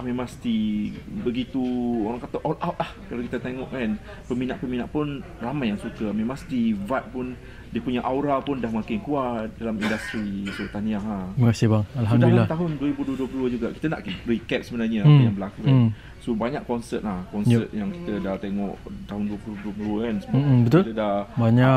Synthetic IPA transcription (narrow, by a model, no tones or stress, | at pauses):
amẽmãŋst̪ibəɡit̪uoɾaŋkat̪aʔɔwlawt̪̚lahkalakit̪ət̪eŋɔʔɛn | pəminaʔpəminaʔpʊn | ramajːaŋsukəmẽmãŋst̪ivat̚pʊn | diəpuɲaʔawɾapʊndahmãkɪnkuaʔt̚dalamindast̪ɾisot̪aniaɦaməkasebaŋalɦadalilat̪aɦʊnduəɾibuduəduəpluuəd͡ʒuɡaʔki̥t̪əna̰ʔkiɾikɛt̪̚səbənarɲəaəjaŋbəlakukan | sobaɲaʔkɔnsət̪̚lahkɔnət̪̚jaŋki̥t̪ədaht̪eŋɔʔt̪aɦʊnduəpluduəpluluəkansəbabət̪ʊlt̪ədabaɲa